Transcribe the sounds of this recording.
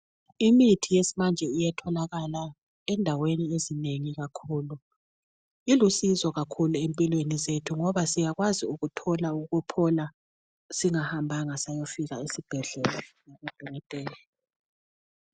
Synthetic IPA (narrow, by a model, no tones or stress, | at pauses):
imitʰijesimand͡ʒʱɛijɛtʰɔlaɣala | ɛndʱaweniezineŋiɣakʰuːlu | ilusizɔɣakʰuluempʼilwenizetʰuŋɔβasijaɣwaziuɣutʰɔlauɣupʰɔla | siŋahambʱaŋasajofiɣaisib̥ʱɛɮɛlɔjaβad̥ʱɔɣɛtʼɛːlɛ